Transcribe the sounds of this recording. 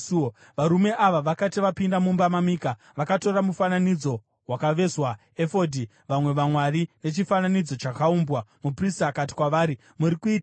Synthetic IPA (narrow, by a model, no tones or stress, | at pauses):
ʋaɾume̞ʔaʋaʋakatiʋapindamumbamamiːka | ʋakato̞ɾamufananid͡zo̞ | wakaʋe̞zwa | e̞fo̞di | ʋamwe̞ʋamwarine̞t͡ʃifananid͡zo̞t͡ʃakaumbwamupristaːkati̥kwaʋaːɾi | muɾikuiːt